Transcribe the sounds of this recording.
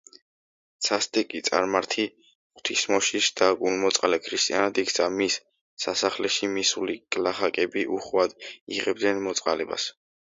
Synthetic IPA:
t̪sʰast̪ʼɛkʼit̪sʼa̰ɾmaɾt̪ʰi | χt̪ʰismɔʃiʃd̪̥aɡʼulmɔt̪sʼqʼalɛkʰɾist̪ʼianad̪ikʰt̪sʰamisː | asaχlɛʃimisulikʼlaχakʼɛbiʔuχwad̪ḭʁɛb̚d̪nɛnmɔt̪sʼqʼalɛba̰s

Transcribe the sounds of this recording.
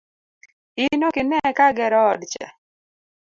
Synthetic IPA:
ɪnokɪnɛkaɡɛɾɔːdt͡ʃɛ̰

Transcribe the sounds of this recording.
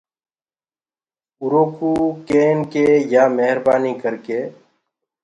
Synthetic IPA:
ʊɾoːkuːkeːnkeːjaːmeɦəɾbaːniːkəɾkeː

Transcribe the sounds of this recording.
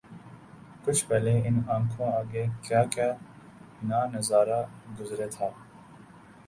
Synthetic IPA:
kʊt͡ʃʰpɛleːɪnãːŋkʰõːaːɡeːkjaːkaː | naːnəzaːɾaːɡʊzɾeːt̪ʰaː

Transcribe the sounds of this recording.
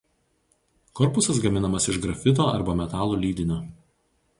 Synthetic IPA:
kɔɾpʊsɐsɡɐmʲɪnɐmɐsɪʒɡɾɐfʲɪt̪̬oːɐ̰ɾbɐmʲɛt̪ɑːlˠuːlʲiːd̪ʲɪnʲoː

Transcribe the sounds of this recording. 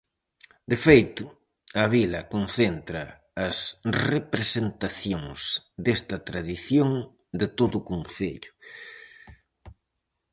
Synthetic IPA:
d̪efejt̪ʊ | ɐβilɐkonθent̪ɾɐ | ɐsrepɾesent̪aθjoŋsd̪est̪ɐt̪ɾaðiθjoŋ | d̪ɪt̪oðʊːkonθḛʎʊ

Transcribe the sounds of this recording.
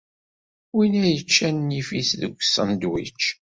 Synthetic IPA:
winæjət͡ʃːænːifiθðəɡʷːsːənd̪wḭt͡ʃː

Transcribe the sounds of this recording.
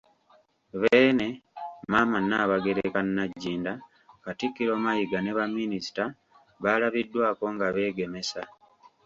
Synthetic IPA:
βeːne̞maːmanːaβaɡe̞ɾekanːaɟːiːnda | katikːiɾo̞ːmajiɡaneβamːinisi̥ta | βalaβidːwaːko̞ŋɡaβe̞ːɡe̞me̞sa

